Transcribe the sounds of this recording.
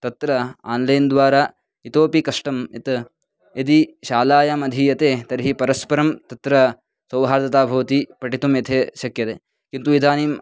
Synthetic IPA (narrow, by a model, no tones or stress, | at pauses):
t̪ɐt̪ɾɐa̰ːnlɐjnd̪ʋaːɾa | it̪oːpikɐʂʈɐmit̪ | et̪iʃaːlaːjɐmɐd̪ʱijɐt̪eːt̪ɐɾɦipɐɾɐspɐɾɐmt̪ɐt̪ɾɐ | sɐwɦaːɾt̪ɐt̪aːbʱɐʋɐt̪ipɐʈit̪umjɐt̪ʰeːʃɐkjɐt̪eː | kint̪uʋid̪ʱaːnim